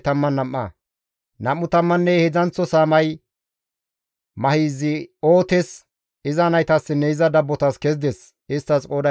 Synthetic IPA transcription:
t̪ɐmːɐnːɐmːɐ̰ | nɐmːʊt̪ɐmːɐnːɛhɛd͡zɐnt͡sːɔsaːmɐj | mɐhiːzɪoːt̪ɛs | ɪzɐnɐjt̪ɐsːɪnːɛɪzɐd̪ɐbːɔt̪ɐskɛzd̪ɛs | ɪst̪ːɐskʼoːd̪ɐ

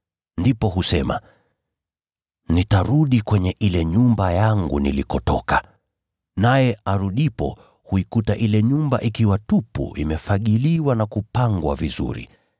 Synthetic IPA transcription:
ndipɔɦusɛma̰ | nitaɾuɗikwɛɲɛʔilɛɲumbajaŋɡunḭlikɔtɔ̰ka | najɛaɾuɗipɔ̰ | huikutaʔilɛɲumba̰ʔikiwatupṵʔḭmɛfaʄiliwanakupaŋɡwa̰vizṵɾḭ

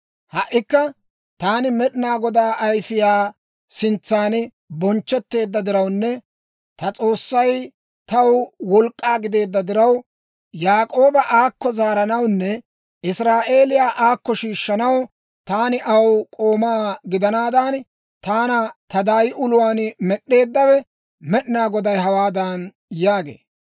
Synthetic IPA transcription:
hɐʔːɪkːɐ | t̪aːnɪmɛɗɪnaːɡɔd̪aːʔɐjfɪjaː | sɪnt͡sːaːn | bɔnt͡ʃːɛt̪ːe̞ːd̪ːɐd̪ɪɾɐwnːɛ | t̪ɐt͡sʼo̞ːsːɐj | t̪ɐwwɔlkʼːaːɡɪd̪e̞ːd̪ːɐd̪ɪɾɐw | jaːkʼo̞ːbɐʔaːkːɔzaːɾɐnɐwnːɛ | ʔɪsɾaːʔe̞ːlɪjaːʔaːkːɔʃiːʃːɐnɐw | t̪aːnɪʔɐwkʼo̞ːmaːɡɪd̪ɐnaːd̪aːn | t̪aːnɐt̪ɐd̪aːjɪʔʊlʊwaːnmɛɗːe̞ːd̪ːɐwɛ | mɛɗɪnaːɡɔd̪ɐjɦɐwaːd̪aːn | jaːɡḛː

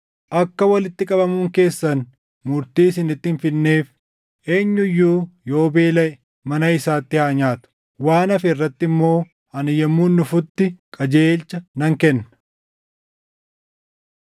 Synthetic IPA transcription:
ʔɐkːɐwɐlɪt̪ːɪkʼɐbɐmuːŋke̞ːsːɐn | mʊɾt̪iːsɪnɪt̪ːɪnfɪnːe̞ːf | ʔe̞ːɲːʊjːuːjo̞ːbeːlɐʔɛ | mɐnɐɪsaːt̪ːɪhaːɲaːt̪ʊ̥ | waːnɐfɛɪrːɐt̪ːɪmːo̞ː | ɐnɪjɛmːunːʊfʊt̪ːɪkʼɐd͡ʒeːlt͡ʃːɐnɐŋkɛnːɐ̥

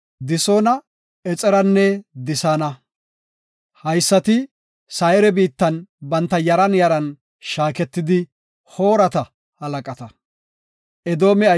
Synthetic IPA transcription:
d̪ɪsoːnɐ | ɛt͡sʼɛɾɐnːɛd̪ɪsaːnɐ | hɐjsːɐt̪ɪ | sɐɛɾɛbiːt̪ːɐnbɐnt̪ːɐjɐɾɐnjɐɾɐn | ʃaːkɛt̪ːɪd̪ɪ | hoːɾɐt̪ɐ | hɐlɐkʼɐt̪ɐ | ʔɛd̪o̞ːmɛɐ

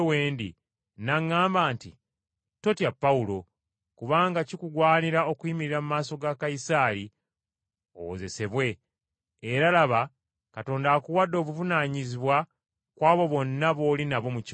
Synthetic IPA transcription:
weːndi | naŋːaːmbaːntḭ | to̞tiapːaulo̞ | kuβaːŋɡacikuɡwaːniɾao̞kwiːmiɾiɾamumaːso̞ɡakaisaːɾi | o̰wo̰ze̞se̞βwe̞ː | ɾalaβa | kato̞ːndaːkuwadːo̞ːβuvunaːɲiziβwa | kwaːβo̞βo̞nːaβo̞ːlinaβo̞muc

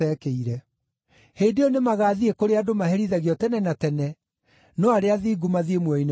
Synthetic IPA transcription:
ɛkeiɾɛ | heːdeonemaɣaːðiekoɾeadomahɛɾiðaɣjɔtɛnɛnatɛnɛ | nɔaɾeaðiːɡumaðiemwɛine

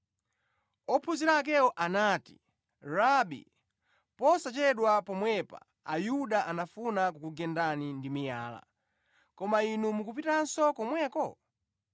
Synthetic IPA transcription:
ɔpʰuziɾak̬ɛɔʔanaːti̥̰ | ɾaɓḭ | pɔsat͡ʃɛɗwapɔmwɛpa̰ | a̰juɗaʔanafunakukuɡɛndanindimijaːla̰ | kɔmainumukupitan̩sɔkɔmwɛːkɔ

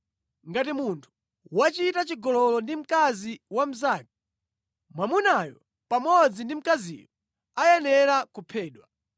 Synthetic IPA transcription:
ŋɡatimuntʰu̥ | wat͡ʃitat͡ʃiɡɔlɔlɔndim̩kaziwam̩zaːki | mwamunajɔ | pamɔd͡zindim̩kazḭjɔ | ajɛnɛɾakupʰɛːɗwa

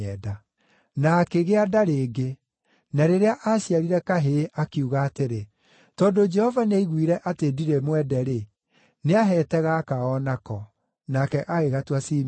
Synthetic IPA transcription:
ɛda | naːkeɣeadaɾeːɡe | naɾeɾeaʔaɕiaɾiɾɛkaɦeʔakiuɣaːteɾe | tɔːdod͡ʒɛhɔvaneiɣwiɾɛʔatediɾemwɛdɛɾe | neaɦɛːtɛɣaːkaɔnakɔ | nakɛʔaeɣatwasim

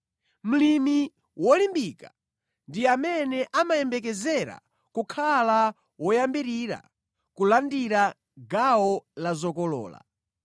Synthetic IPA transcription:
m̩limi | wɔlimbiːka | ndijamɛnɛʔamajɛmbɛkɛzɛɾa̰ | kukʰala | wɔjambiɾiɾa̰ | kulandiɾa | ɡawɔlazɔkɔlɔ̰ːla̰

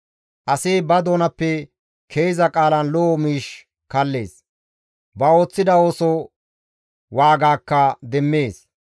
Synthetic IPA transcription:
ʔɐsiːbɐd̪o̞ːnɐpːɛ | kʰejzɐkʼaːlɐnlɔmiːʃ | kɐlːe̞̰ːs | bɐo̞ːt͡sːɪd̪ɐo̞ːsɔ | waːɡaːkːɐd̪ɛmːe̞ːs

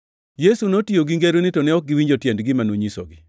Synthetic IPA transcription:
jesunotioɡiŋɡeɾonɪtonɛɔk̚ɡɪwiɲd͡ʒotjɛndɡɪmanoɲiso̰ɡɪ

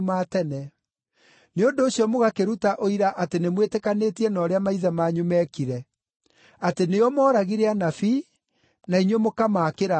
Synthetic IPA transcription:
maːtɛnɛ | neondoːɕjɔmoɣakeɾutaʔoiɾaʔatenemwetɛkanetiɛnɔːɾeamaiðamaːɲumɛkiɾɛ | ateneɔmɔːɾaɣiɾeanafi | naiɲwemokamaːkeɾa

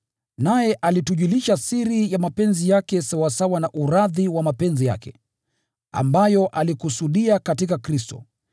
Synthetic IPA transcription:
najɛʔalituʄuliʃasiɾijamapɛnzijakɛsawasawanaʔuɾaðiwamapɛnzija̰kɛ̰ | a̰mbajɔʔalikusuɗiakatikakɾistɔ̰

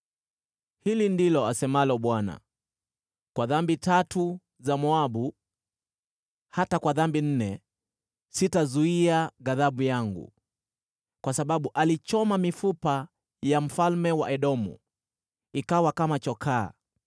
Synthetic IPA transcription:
hilindilɔasɛmalɔɓwana̰ | kwaðambitatu | zamɔaɓu | hatakwaðambin̩nɛ | sitazuiaɣaðaɓujaŋɡṵ | kwasaɓaɓuʔalit͡ʃɔmamifupa | jam̩falmɛwa̰ʔɛɗɔmṵ | ikawakamat͡ʃɔkʰaː

